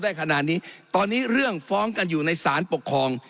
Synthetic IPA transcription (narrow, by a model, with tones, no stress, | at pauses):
daː˥˩jkʰa˧na˨˩t̪̚niː˦˥t̪ɔː˧nːiː˦˥ɾɯ˥˩əŋfɔː˦˥ŋka˧njuː˨˩na˧jsaː˩˦npo˨˩kʰːɔː˧ŋ